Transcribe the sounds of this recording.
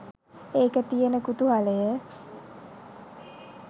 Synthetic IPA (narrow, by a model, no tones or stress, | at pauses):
eːkət̪ijənəkut̪uɦaləjə